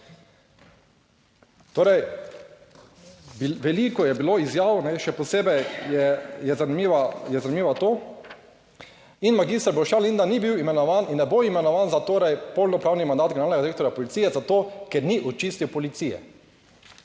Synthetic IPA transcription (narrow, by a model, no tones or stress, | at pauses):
t̪oːɾɛj | ʋɛlikɔjɛbiloizjaːwnɛʃɛpɔseːbɛjjɛjɛzanimiʋajɛzanimiːʋat̪oː | inmaɡist̪ɾbɔwʃjalind̪anibiwimɛnɔʋaninːɛboimɛnɔʋaːnzat̪oːɾɛjpolnɔpɾaːwnimand̪aːt̪ɡɛnɾalnɛɡad̪ɾek̚t̪ɔɾjapɔlit̪siːjɛzat̪oːkɛɾniʔɔt͡ʃist̪iwpɔlit̪sijɛ̰